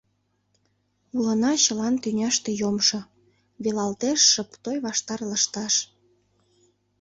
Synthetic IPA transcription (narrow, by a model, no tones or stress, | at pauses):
ulənɑɕəlɑnt̪ynʲɑʃt̪e̽jomʃo | βelɑlt̪eʃːəpt̪ojβɑʃt̪ɑrlə̆ʃt̪ɑʃ